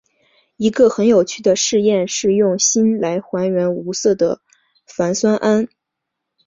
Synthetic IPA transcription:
i˧˥ɡə˧xə˧˥njo˨˩ʊt͡ɕʰy˥˩d̪ə˩ʂɻ̩˥˧jɛ˥˧nʂɻ̩˥˧jʊ˥˩ŋɕi˥nla˧˥ɪxwa˧˥nɥɛ˧˥nu˧˥sɤ˥˩d̪ə̰˩ | fa˧˥nswa˥nʔa˥n

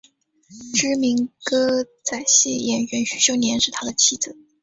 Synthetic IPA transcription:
ʈ͡ʂɻ̩˥mi˧˥ŋkɤ˥ | t͡sa˨˩ɪɕjɛ˥˩jɛ˨˩nɥɛ˧˥nɕy̥˧˥ɕjo˥ʊnjɛ˧˥nʂɻ̩˥˩t̪ʰa˥d̪ə˨t͡ɕʰi˥˩d͡zɹ̩˨˩˦

